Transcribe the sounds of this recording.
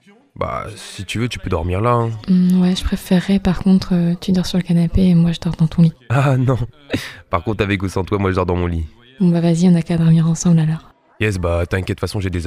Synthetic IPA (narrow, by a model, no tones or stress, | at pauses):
ba̰sit̪yvøt̪y̥pød̪ɔʁmiʁlaɛ̃wɛʒə̥pχefeʁːɛpaʁkɔ̃t̪χøt̪ʰyd̪ɔʁsyʁləkanapeːmwaʒəd̪ɔʁd̪ɑ̃t̪ɔ̃lianɔ̃ | paʁkɔ̃t̪avɛkusɑ̃t̪wamwaʒəd̪ɔʁd̪ɑ̃mɔ̃li | bɔ̃bavaziɔ̃nakad̪ɔʁmiʁɑ̃sɑ̃blalɔːʁ | jɛs̬bat̪yɛ̃kʲɛt̪fasɔ̃ʒed̪ez